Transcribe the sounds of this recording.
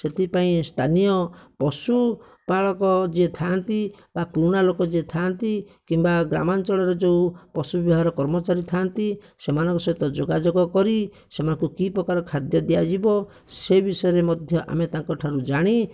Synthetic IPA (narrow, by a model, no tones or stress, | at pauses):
set̪ʰipaĩst̪ʰanijɔpɔsu | paɭɔkɔd͡ʒiet̪ʰant̪ibakɾuɽ̃alokɔd͡ʒiet̪ʰant̪ikimbaɡɾa̰mant͡ʃɔɭɔɾɔd͡ʒeupɔsubibɦaɾɔkɔɾmɔt͡ʃaɾit̪ʰant̪i | semanɔ̃ŋkɔsɔt̪ɔd͡ʒoɡad͡ʒoɡɔkɔɾi | semanɔŋkukipɾɔkaɾɔkʰad̪jɔd̪iad͡ʒibɔ | sebisɔjɔɾemɔd̪ʱjɔʔa̰met̪aŋkɔʈʰaɾud͡ʒaɽ̃i